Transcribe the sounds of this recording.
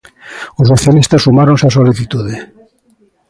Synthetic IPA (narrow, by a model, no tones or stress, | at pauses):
ʊsːoθjalist̪asumaɾõnsasoliθit̪uðe